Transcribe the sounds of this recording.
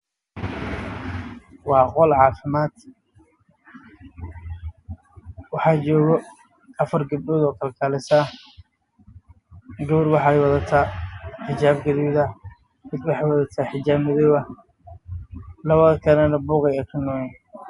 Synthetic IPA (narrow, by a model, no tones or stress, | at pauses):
wɑːqɔlʕɑːfɪmaːd̪̥ | wɑħɑːt͡ʃɔːɣɔ | ɐfɐrɡɐb̚dɔːðɔːkʰɐlkʰaːlɪsa | ɡɐβʊrwɑħɑjwɑðɐt̪ʰaːħɪt͡ʃaːbɡɐðiðɐ | mɪd̪wɑħɑjwɑðɐt̪ʰaːħɪt͡ʃaːbmɪðɔβɐ | lɐβɐðɐkʰɐnɐnɐbuːqɛjɛkʰɐnɔɛn